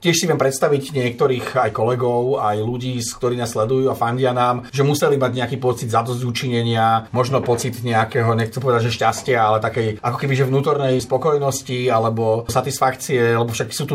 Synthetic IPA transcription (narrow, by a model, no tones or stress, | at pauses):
cɪɛʃsiʋɪɛmpɾɛt̪st̪aʋiɟɲɪɛk̚t̪ɔɾiːxajkɔlɛɡɔʊajluɟiːskt̪ɔɾiːnaːslɛd̪ujuːafaɲɟɪanaːmʒɛmusɛlimaɟɲɛakiːpɔt͡sid̪zad̪ɔzɟut͡ʃiɲɛɲɪamɔʒnɔpɔt͡sid̪ɲɛakɛɦɔɲɛxt͡sɛmpɔʋɛd̪aɟʒɛʃcascɪaalɛt̪akɛjakɔkɛbiʒɛvnuːt̪ɔɾnɛjspɔkɔjnɔscialɛbɔsat̪isfakt͡siɛalɛbɔfʃaksuːt̪u